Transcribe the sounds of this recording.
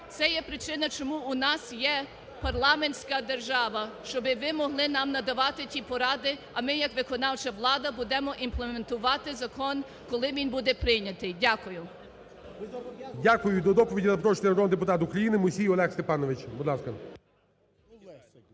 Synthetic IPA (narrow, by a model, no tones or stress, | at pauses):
t̪sɛjɛpɾɪt͡ʃɪnɐt͡ʃɔmuʊnɑsjɛ | pɐrlˠɑmenʲsʲkɐd̪erʒɑʋɐʃt͡ʃɔbɪʋɪmɔɦlˠɪnɑmnɐd̪ɐʋɑt̪ɪtʲipɔɾɑd̪ɪ | ɐmɪjɐkʋɪkɔnɑwt͡ʃɐʋlˠɑd̪ɐbud̪ɛmɔʔimplˠement̪ʊʋɑt̪ɪzɐkɔn | kɔlˠɪmʲinʲbud̪ɛpɾɪjnʲɐt̪ɪjdʲakʊjʊ | dʲakʊjʊd̪ɔd̪ɔpɔʋʲidʲizɐpɾɔʃnʲɐɾɔnd̪ep̬ʊt̪ɑt̪ʊkɾɐjinɪmʊsʲijɔlˠɛxst̪epɑnɔʋɪt͡ʃbʊd̪lɑaskɐ